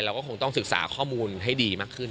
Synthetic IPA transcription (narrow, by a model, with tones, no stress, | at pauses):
ɾaː˧wkɔː˥˩kʰoː˧ŋt̪ɔ˥˩ŋsɯ˨˩k̚sa̰ː˩˦kʰɔː˥˩muː˧nɦa˥˩jdiː˧maː˥˩kʰːɯ˥˩n